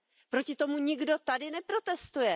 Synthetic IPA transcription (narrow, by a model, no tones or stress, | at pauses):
pɾo̞cɪt̪o̞muɲɪɡdo̞t̪adɪnɛpɾo̞t̪ɛst̪ujɛ